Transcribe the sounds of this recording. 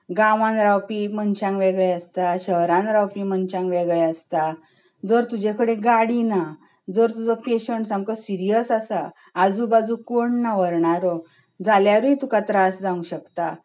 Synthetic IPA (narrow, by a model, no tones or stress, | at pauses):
ɡaʋãnɾawpimənt͡ɕãŋɡʋeɡɭeəst̪aɕəɦɾãnɾawpimənt͡ɕãŋkʋeɡɭeəst̪a | d͡zəɾt̪ud͡ʑekʰəɽeɡaɽina | d͡zəɾt̪ud͡zɔpeɕəɳʈsãmkəsiɾijəsasaː | d͡zuːbad͡zũkoɳnaʋəɾɳaɾɔ | d͡zaljaɾit̪ukat̪ɾasd͡zãŋɡuɕəkt̪a